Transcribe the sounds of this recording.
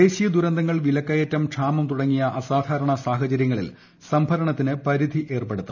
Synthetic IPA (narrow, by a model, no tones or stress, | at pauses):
e̞ːɕijɐd̪uɾɐnd̪ʱɐŋːɐɭʋilɐkːɐjɐtːɐmʈʂʰaːmɐmt̪uɽɐŋːijɐʔɐsaːd̪ʱaːɾɐɳɐsaːɦɐt͡ɕɐɾjɐŋːɐɭḭl | sɐmbʱɐɾɐɳɐt̪ːinɨpɐɾid̪ʱiʔe̞ːrpeɽut̪ːɐ